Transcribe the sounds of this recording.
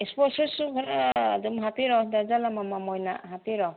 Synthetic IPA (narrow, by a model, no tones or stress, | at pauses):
espɔsusuɡʰaɾadumɦapiɾɔdazalamamamɔjna̰ɦapiɾɔ